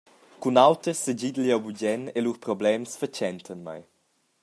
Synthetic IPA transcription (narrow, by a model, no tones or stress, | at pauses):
kunawtəsəd͡ʑid̪əljawbuɟɛneluɾpɾɔblɛmsfət͡ʃɛnt̪ʰənma̰j